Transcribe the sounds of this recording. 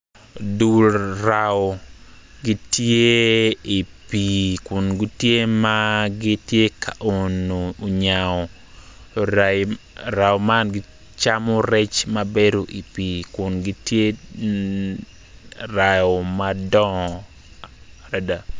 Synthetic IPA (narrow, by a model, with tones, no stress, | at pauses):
du˨lɾaɔ˨ɡɪ˦tje˦i˨pikʊ˨nɡi˦tje˦maɡɪ˦tje˦kʰaʔo˨noː˨ɲaɔ˨ | ɾa˨ɔ˨ma˦nɡɪ˦ | t͡ʃamɔ˦ɾɛ˦t͡ʃma˦be˦ɾo˨ʔi˨pi˨kʊ˨nɡɪ˦tje˦ | ra˨jɔmadɔ˦ | ɾa˨da˨